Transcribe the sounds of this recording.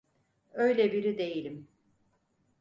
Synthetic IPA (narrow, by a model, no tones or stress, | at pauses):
ø̞jlʲɛbiɾid̪e̞jilʲim